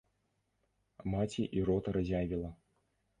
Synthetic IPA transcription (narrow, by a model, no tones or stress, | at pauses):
mat͡sʲiʔiɾɔt̪ɐɾɐzʲavʲilˠɐ